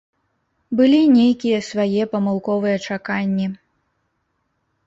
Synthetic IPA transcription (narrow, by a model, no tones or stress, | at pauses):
bɨlʲinʲejkʲijɛsvajɛpɐmɨlˠkɔvɨjɛt͡ʂakanʲːi